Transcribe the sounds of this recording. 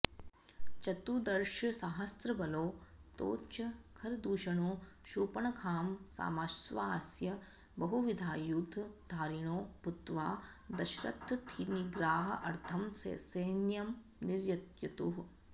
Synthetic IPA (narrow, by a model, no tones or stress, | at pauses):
t͡ʃɐt̪ud̪ɐɾʃɐsaːɦɐst̪ɾɐbɐloːt̪o̰ːt͡ʃɐkʰɐɾd̪uːʃɐɳoː | ʃuːpɐɳɐkʰaːmsa̰ːmɐsʋaːsjɐ | bɐɦuʋid̪ʱaːjuːd̪ʱd̪aːɾiɳoːput̪ʋaː | d̪ɐʃɾɐ̰t̪ːt̪ʰiniɡɾaːɦɐʔɐɾt̪ʰɐmsḛːseːnjɐm | niɾjɐt̪jɐt̪uɦ